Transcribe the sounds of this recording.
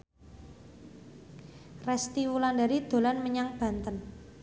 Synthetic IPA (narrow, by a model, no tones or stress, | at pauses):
rɛst̪iwulandaɾid̪̥o̤lanməɲaŋb̥ä̤nt̪ən